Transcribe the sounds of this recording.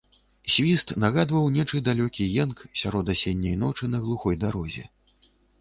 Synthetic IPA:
sʲvʲist̪naɣad̪vɐwnʲɛt͡ʂɨd̪alʲɔkʲijɛnksʲaɾɔd̪asʲɛnʲːɐjnɔt͡ʂɨnɐɣlˠuxɔjd̪aɾɔzʲɛ̰

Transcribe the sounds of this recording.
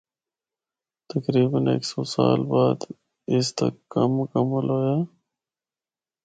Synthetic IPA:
t̪əkɾiːbənḛksoːsa̰ːlbaːd̪ | ɪst̪ɐ̰kːɐmkəmɐloːjaː

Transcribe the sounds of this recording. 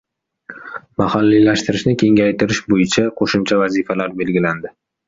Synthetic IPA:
mahalːilaʃt̪ɪɾɪʃnɪkʲʰe̞ŋʲajt̪ʰɪɾɪʃbojɪt͡ʃʰaqʰoʃʊmt͡ʃʰavazifalaɾbe̞lɡʲɪland̪ɪ

